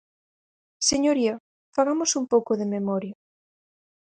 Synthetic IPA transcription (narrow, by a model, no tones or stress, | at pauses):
seɲoɾiɐ | faɣamosumpowkoðememɔɾjɐ